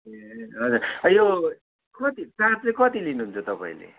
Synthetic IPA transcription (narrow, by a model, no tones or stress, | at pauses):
eɦʌd͡zurʌjo | kʌt̪it͡sat͡slekʌt̪ilinuɦunt͡sʰʌt̪ʌpa̰ḭ̃lḛ